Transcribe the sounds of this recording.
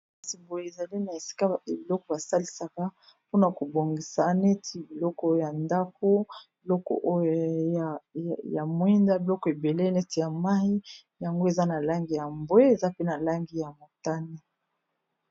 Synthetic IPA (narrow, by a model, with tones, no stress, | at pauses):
si˨bo˨je˨e˨za˨li˦na˨e˨si̥˦ka˦˨e˨bi˨lɔ˦kɔ˨ba˨sa˦li˨sa˨ka˦ | po˦na˨ko˨bo˨ŋɡi˨sa˨ne˦tʰi˨bi˨lɔ˦kɔ˦ja˨nda˦po˦bi˨lɔ˦kɔ̰˨ʔj | ja˨mwɛ˦nda˦bi˨lɔ˦kɔ˨e˨be˨le˦nɛ˦ti˨ja˨ma˦i˦ | ja˨ŋɡo˦e˨za˦na˨la˦ŋɡi˨ja˨mbwe˦e˨za˦pe˦na˨la˦ŋɡi˨ja˨mo˨ta˦ni˦